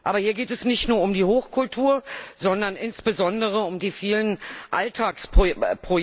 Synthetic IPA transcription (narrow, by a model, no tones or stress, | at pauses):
ʔa̰ːbɐhiːɐɡeːtɛsnɪçtnuːɐʊmdiːhoːxkʰʊltʰuːɐzɔndɐnʔɪnsb̥əzɔndəʁ̞əʊmdiːfiːlənʔaltʰaːksppʁ̥o